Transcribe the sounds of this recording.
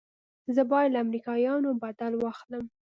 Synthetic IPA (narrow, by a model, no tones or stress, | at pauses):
zəbɑjad̪laamɾikɑjɑnobad̪alwɑxləm